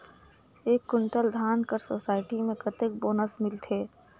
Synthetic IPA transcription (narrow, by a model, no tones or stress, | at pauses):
eːkːʊɳʈəld̪ʱaːnkəɾsoːsaːɪʈimẽkət̪ek̚boːnəsmɪlt̪ʰeː